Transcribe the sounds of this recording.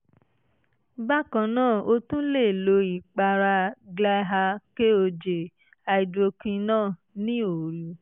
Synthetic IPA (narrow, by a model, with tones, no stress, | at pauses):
ba˦kã˧nãː˦˨o˧tũ˦le˦˨lo˨˦i˨k͡pa˧ɾa˧ɡla˦ɦa˧ke˦o˧d͡ʒe˨ | a˧i˨do˧kĩ˧nãː˦˨ | nĩ˦o˨ɾi˨